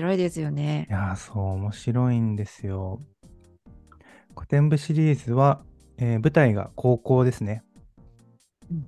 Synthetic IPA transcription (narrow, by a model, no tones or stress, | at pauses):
ɾoid̪e̞sɨjo̞nejaːso̞ːmo̞ɕiɾo̞ĩnd̪e̞sɨjo̞ | kʰo̞̥t̪ẽ̞mbɯ̟ɕiɾʲiːzɨβa | eːbɯ̟t̪aiɡa̰kʰo̞ːko̞ːd̪e̞sɨne̞ | ɯ̃ɴ